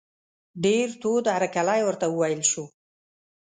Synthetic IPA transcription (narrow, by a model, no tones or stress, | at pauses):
ɖeɾt̪od̪aɾakalajwəɾt̪awəwajəlʃu